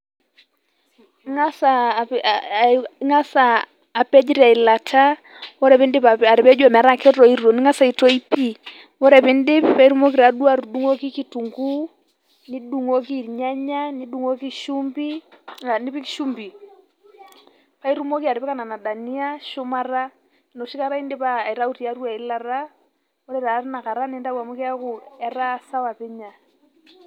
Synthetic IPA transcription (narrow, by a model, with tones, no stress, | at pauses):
ŋa˦sa˨ | ŋa˦saː˨ | pɛ˦d͡ʒi˦ɾa˨i˨la˨tʰa˦ | wɔ˦ɾɛ˨pɛ˦ndɪ˦pa˨a˨ɾɪ˨pɛ˦d͡ʒu˦a˨mɛ˨a˨˦ɾa˦kɛ˦ɾɔ˨i˦ɾɔ˨nɪ˦ŋa˦sa˨i˨tɔ˦i˦pi˦ | wɔ˦ɾɛ˨pɪ˦ndɪ˦ppa˦i˦ɾu˦mɔ˦k̬i˨ɾa˨du˦a˨ɾu˨ɗu˦ŋɔ˦ki˦ki˦tu˨ŋɡu˦ | ni˦du˨ŋo˦ki˦˨ɲa˦ɲa˦ni˦ɗu˨ŋo˦ki˦ʃu˦mbi˦a˨ni˦pi˦ki̥˦ʃu˦mbi˨ | pa˦i˦ɾu˦mo˦ki˦a˨ɾɪ˨pɛ˦ka˦na˨na˨da˨ni˦a˦ʃʊ˦mara˦ | no˨ʃi˦ka˦ɾa˦i˦nde˦paː˨i˨ɾa˦u˦ti˨a˨ɾu˦a˨i˨la˨ra˦ | wɔ˦ɾɛ˦ɾa˨rna˨ka˨ɾa˦ne˦nda˦wa˨mo˦ki˦a˦kʊ˨ɛ˦ra˦sa˦wa˨pɛ˦ɲa˨